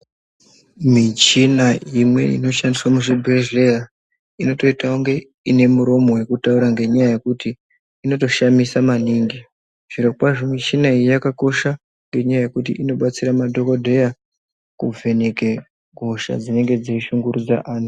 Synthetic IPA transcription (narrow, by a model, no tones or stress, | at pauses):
mit͡ʃinaimwe̞̰ḭno̞ʃandiswamuʐibʱeʒleja | ino̞to̞itauŋɡe̞ | ine̞muɾo̞mo̞we̞kutauɾaŋɡe̞ɲajaje̞kutiː | no̞to̞ʃamisamaniŋɡi | ʐ̥iɾokwaʐomit͡ʃinaijijakako̞ʃa | ŋɡe̞ɲajaje̞kut̬ḭʔino̞ɓat͡siɾamadʱo̞ko̞dʱe̞ja | kub͡vʱe̞neke̞ | ɡʱo̞ʃa̰d͡zine̞ŋɡe̞d͡ziiʃuŋɡuɾud͡za̰ʔaːnu